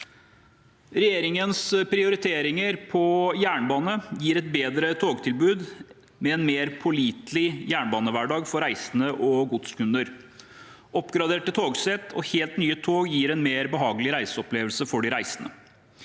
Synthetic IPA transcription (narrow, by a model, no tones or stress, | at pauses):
ɾɛjeːɾɪŋənspɾɪʊɾɪt̪ʰeːɾɪŋəɾpʰɔjæːɳbɑːnəjiːɾɛt̪̚beːd̪ɾət̪ʰoːɡt̪ʰɪlbʉːd̪ | mɛɛnmeːɾpʰʊliːt̪lɪjæːɳbɑːnəʋæɖɑːɡfɔɾæɪsənəʔɔɡʊd̪skʉnəɾ | ʔɔpːɡɾɑd̪eːʈːət̪ʰoːɡsɛt̪ʰɔheːlt̪nyːət̪ʰoːɡjiːɾɛnmeːɾbəɦɑːɡəlɪɾæɪsəɔpleːʋəlsəfɔɖɪɾæɪsənə̰